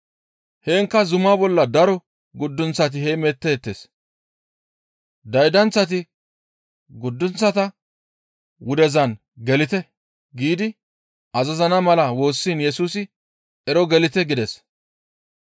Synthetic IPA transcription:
heːŋkːɐzʊmabɔlːɐd̪ɐɾɔ | ɡʊd̪ːʊnt͡sːɐt̪̬ɪhɛmɛt̪ːɛːt̪ːḛs | d̪ɐjd̪ɐnt͡sːɐt̪̬ɪ | ɡʊd̪ːʊnt͡sːɐt̪ɐ | wʊd̪ɛzɐn | ɡɛlɪt̪ɛ | ɡiːd̪ɪ | ʔɐzɐzɐnɐmɐlɐwo̞ːsːiːnjɛsuːsɪ | ɛɾɔɡɛlɪt̪ɛɡɪd̪ɛs

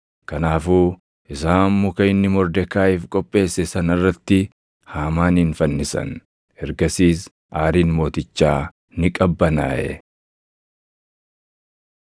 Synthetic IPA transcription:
kɐnaːfuː | ʔɪsaːmːʊkɐɪnːɪmɔɾd̪ɛkːaːɪfkʼɔpʼːe̞ːsːɛsɐnɐrːɐt̪ːɪ | haːmaːnɪnfɐnːɪsɐ̰n | ɛɾɡɐsiːs | ʔaːɾiːnmo̞ːt̪ɪt͡ʃːaː | nɪkʼɐbːɐna̰ːʔɛ̰

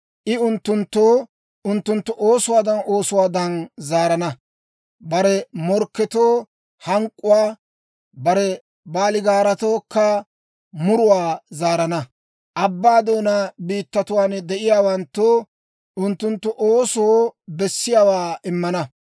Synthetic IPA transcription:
ʔɪʊnt̪ːʊnt̪ːoː | ʔʊnt̪ːʊnt̪ːʊʔoːsʊwaːd̪ɐno̞ːsʊwaːd̪ɐnzaːɾɐnɐ | bɐɾɛmɔɾkːɛt̪oː | hɐŋkʼːʊwaː | bɐɾɛ | baːlɪɡaːɾɐt̪o̞ːkːɐ | mʊɾʊwaːzaːɾɐnɐ | ʔɐbːaːd̪oːnabiːt̪ːɐt̪ʊwaːnɛd̪ɛʔɪjaːwɐnt̪ːoː | ʔʊnt̪ːʊnt̪ːʊʔoːsobɛsːɪjaːwaːɪmːɐnɐ

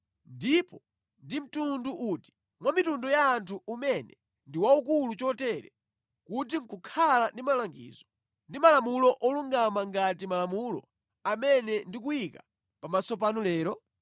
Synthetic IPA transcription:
ndipɔ | ndim̩tunduʔuti̥ | mwamitundɔjaːntʰuʔumɛnɛ | ndiwauk̬ulut͡ʃɔtɛɾɛ̰ | kut̬iŋ̩kukʰalandimalaŋɡḭːzɔ | ndimalamulɔʔɔluŋɡamaŋɡatimalamulɔ̰ | amɛnɛndik̬uika | pamasɔp̬anulɛːɾɔ

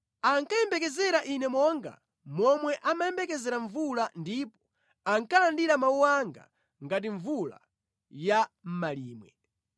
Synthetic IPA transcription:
aŋkajɛmbɛkɛzɛɾaʔinɛmɔŋɡa̰ | mɔmwɛʔamajɛmbɛkɛzɛɾaɱvulandipɔ̥ | aŋkalandiɾamauwaŋɡa̰ | ŋɡat̬iɱvula̰ | jam̩maliːmwɛ

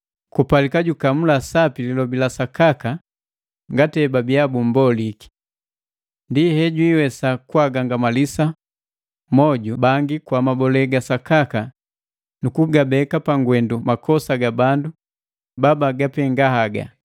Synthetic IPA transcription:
kupalikaɟukamulasapililɔbilasakaka | ŋɡatɛbabiabumbɔliki̥ | ndihɛɟwiwɛsakuaɡaŋɡamalisa | mɔɟubaŋɡikwamabɔlɛɡasakaka | nukuɡabɛkapaŋɡwɛndumakʰɔsaɡabandu | babaɡapɛŋɡahaɡa̰

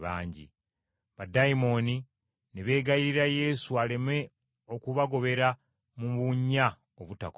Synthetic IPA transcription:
βaːɲɟḭ | βadaimo̞ni | neβe̞ːɡaiɾiɾaje̞ːsuale̞me̞ | okuβaɡo̞βe̞ɾa | muβuɲːa | oβutak

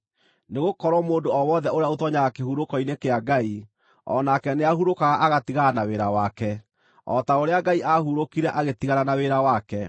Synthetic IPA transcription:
neɣokɔɾwɔmoːndoɔwɔðɛoɾeaotwɔɲaɣakeɦuɾokɔinekeaɡai | ɔ̰nakɛneaɦuɾokaɣaʔaɣatiɣanaweɾawakɛ | ɔtaoɾeaɡaiʔahuɾokiɾɛʔaɣetiɣaɾanaweɾawakɛ

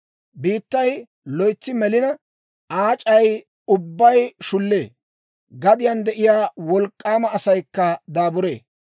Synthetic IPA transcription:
biːt̪ːɐj | lɔjt͡sːɪmɛlɪnɐ | ʔaːt͡ʃʼɐj | ʊbːɐjʃʊlːeː | ɡɐd̪ɪjɐnd̪ɛʔɪjaːwɔlkʼːaːmɐːsɐjkːɐd̪aːbʊɾḛː

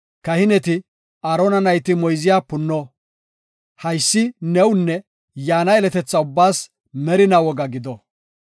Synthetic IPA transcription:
kɐhɪnɛt̪ɪ | aːɾonɐnɐjt̪ɪmɔjzɪjaːpʊnːɔ | hɐjsːɪnɛwʊnːɛ | jaːnɐɛlɛt̪ɛt͡sːɐʊbːaːs | mɛɾɪnɐwɔɡɐɡɪd̪ɔ

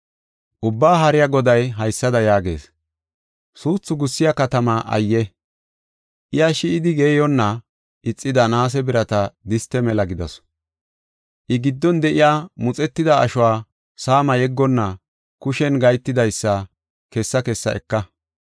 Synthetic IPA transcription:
ʔʊbːaːɦɐɾɪjaɡɔd̪ɐjɦɐjsːɐd̪ɐjaːɡe̞̰ːs | suːt͡sːʊɡʊsːɪjɐkɐt̪ɐmɐʔɐ̰jːɛ | ʔɪjaʃɪɪd̪ɪɡeːjɔnːɐ | ʔɪt͡sʼːɪd̪ɐnaːs̬ɛbɪɾɐt̪ɐd̪ɪst̪ːɛmɛlɐɡɪd̪ɐ̰s | ʔɪɡɪd̪ːɔnd̪ɛʔɪjaːmʊt͡sʼɛt̪ːɪd̪ɐɐ̰ʃʊwaː | saːmɐjɛɡːɔnːɐ | kʊʃɛnɡɐjt̪ːɪd̪ɐjsːɐ | kɛsːɐkɛsːɐ̰ʔɛkːɐ

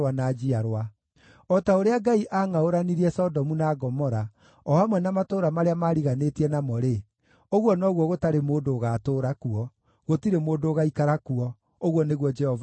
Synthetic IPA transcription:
wanaːd͡ʒiaɾwa | ɔtaoɾeaɡaiʔaŋaoɾaniɾiɛsɔdɔmunaːɡɔmɔɾa | ɔamwɛnamatoːɾamaɾeamaːɾiɣanetiɛnamɔɾe | oɣwɔnɔɣwɔɣotaɾemoːndoːɣaːtoːɾakuɔ | ɣotiɾemoːdoːɣaikaɾakuɔ | oɣwɔneɣwɔd͡ʒɛhɔv

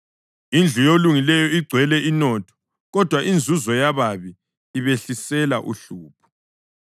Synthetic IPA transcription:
ind͡ɮʱujoluŋilɛjɔiɡ͡ǀʱwɛlɛinɔːtʰɔ̥ | ɣɔd̥ʱwaʔind͡zʱuzɔjaβaβiː | βeɬisɛlaʔṵɬuːpʰu̥

